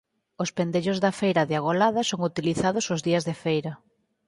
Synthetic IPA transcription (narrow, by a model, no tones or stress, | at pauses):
ospend̪eʎozðɐfejɾɐðeaɣolaðɐsoŋut̪iliθaðʊsozðiɐzðefejɾɐ